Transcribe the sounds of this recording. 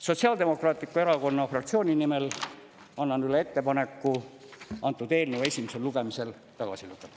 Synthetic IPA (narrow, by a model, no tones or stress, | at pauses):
so̞t̪ʲsiɑːld̪e̞mo̞krɑːt̪likːˑueɾɑko̞nːɑfrɑk̚t̪sioːnʲinimel | ɑnːɑnylee̞t̪ːe̞pɑne̞kːˑu | ɑnt̪ːˑud̪e̞ːlnəwe̞sʲimeselluɡ̥emise̞l | t̪ɑɡ̥ɑ̰siluɡe